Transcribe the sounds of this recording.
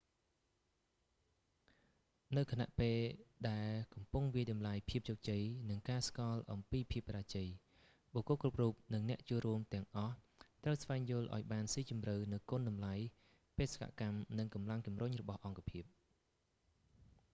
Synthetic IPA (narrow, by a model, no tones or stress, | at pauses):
nɨwkʰana̰ʔpeːlɗaɛlkɑmpuŋʋiəjɗɑmlajpʰiəp̚t͡ɕoːk̚t͡ɕəjnɨŋkaːskɑlʔɑmpiːpʰiəp̚kraːt͡ɕəj | ɓoːkokrup̚ruːp̚nɨŋnɛ̆əʔt͡ɕuəlruəmt̪ɛ̆əŋʔɑh | t̪rəwsʋaɛŋjʊ̆əlʔa̰ɔjɓaːnsiːt͡ɕumrɨwnɨwkoːnɗɑmlaj | peːsḁkʰa̰ʔkamnɨŋkɑmlaŋt͡ɕumrʊɲrɔɓɑhʔɑŋkapʰiəp̚